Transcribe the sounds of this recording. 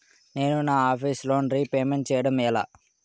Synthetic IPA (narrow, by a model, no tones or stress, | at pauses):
ne̞ːnunaːaːpʰiːsloːnɾiːpeːmeɳʈ̚t͡ʃɛːjɐɽɐmɛla̰ː